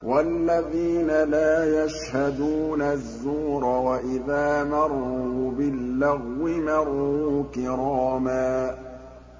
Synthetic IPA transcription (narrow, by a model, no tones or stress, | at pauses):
walːaðiːnalaːjaʃhad̪uːnazːuːɾˤɑwaʔɪðaːmɑrˤːuːbɪlːaɣwɪmɑɾˤːukɪɾˤɑːmaː